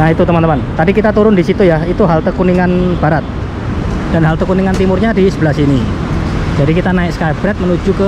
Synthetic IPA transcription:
nahit̪ut̪əmant̪əmant̪adikit̪at̪uɾʊndisit̪ujait̪uɦalt̪əkuniŋanb̥aɾat̪̚ | d̥anɦalt̪əkuniŋant̪imʊrɲadisəbəlasini | d͡ʒadikit̪anaɪk̚skabɾɛt̪̚mənud͡ʒukə

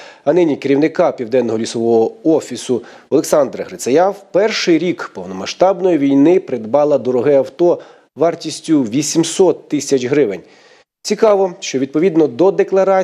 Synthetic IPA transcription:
ɐnɪnʲikeɾʲiwnɪkɑpʲiwd̪ɛnːɔɦɔlʲisɔʋɔɦɔɔfʲisʊ | ɔlˠeksɑnd̪ɾɐɦɾɪsɐjɑwpɛrʃɪjɾʲikpɔwnɔmɐʃt̪ɑbnɔjiʋʲijnɪpɾed̪bɑlˠɐd̪ɔɾɔɦɪɐwt̪ɔ | ʋɑrtʲisʲtʲʊʋʲisʲimsɔt̪ːɪsʲɐt͡ʃɦɾɪʋenʲ | t͡sʲikɑʋɔʃt͡ʃɔʋʲid̪̚pɔʋʲid̪nɔd̪ɔd̪eklˠɐɾɑ

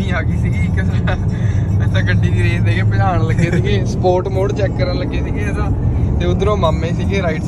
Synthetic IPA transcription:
ĩːɦaːɡiːsiːɡiːkːəs | ãːkəɳɖiːd̪iːɾeːt̪eːɡeːpəlaːɳ̃ləɡeːsiɡeːsəpoːɾʈmoːɽt͡ʃɛːkːəɾə̃ləɡeːsiːɡiːd̪ãːt̪eːʊd̪əɾõːmaːmːẽːsiːɡeːɾaːiːʈs

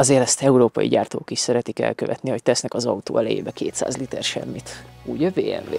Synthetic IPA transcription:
ɒzeːɾɛst̪ɛuɾoːpɒ̰jḭɟaːrt̪oːkiʃsɛɾɛt̪ikɛ̰lkøvɛt̪niho̞c̚t̪ɛsnɛkɒzɒut̪o̰ːɛlɛjḛːbɛkʰeːt̪sa̰ːzlit̪ɛ̰rʃɛ̰mːit̪uːɟɛveːɛ̰ɱveː

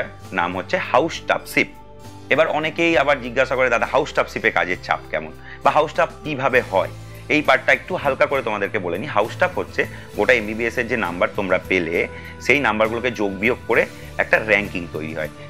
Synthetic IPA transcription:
ɾ | na̰mɦotːɕʰehawsʈa̰psip̚ | ebaɾɔnekejabaɾd͡ʑiɡːaʃakoɾed̪ad̪aɦawsʈapsipeɾka̰d͡ʑet͡ɕa̰pkɛ̰mo̰n | baɦawsʈap̚kibʱabeɦɔe | ejpaʈʈːaek̚ʈuɦalkakoɾet̪omad̪eɾkeboleniɦawsʈapɦotːɕʰe | ɡoʈaembibieseɾd͡ʑena̰mbaɾt̪omɾapele | ʃejnambaɾɡuloked͡ʑoɡ̚bioɡ̚koɾe | ɛk̚ʈaɾɛŋkiŋt̪ojɾḭɦɔ̰e

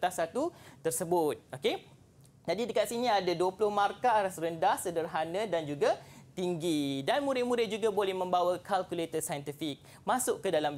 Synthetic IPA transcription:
t̪asat̪ut̪ərsəbʊt̪̚oke | d͡ʒadidəkat̪̚sinĩadaduəpulʊhmãrkaaɾasɾəndahsədərɦanə̃dand͡ʒuɡat̪iŋɡidanmũɾɪt̪̚mũɾɪt̪̚d͡ʒuɡabolɛhmə̃mbawakalkulet̪əsajənt̪ifik̚ | mãsʊʔkːədalam

